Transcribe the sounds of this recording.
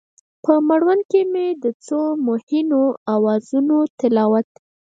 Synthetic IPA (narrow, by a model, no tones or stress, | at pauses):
pəmaɽwankemed̪ət͡somʊhɪnoawɑzunot̪ɪlɑwat̪